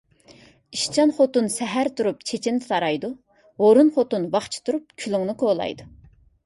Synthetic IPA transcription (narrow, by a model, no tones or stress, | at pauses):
iʃt͡ʃʰɑnχot̪unsɛɦæɾt̪ʰuɾup̚t͡ʃʰet͡ʃʰind̪ɪsʰɑɾɑjd̪u | oɾunχot̪unwɑχt͡ʃʰi̥t̪ʰuɾup̚kʲʰyluŋnɨkʰolˠɑ̰jd̪u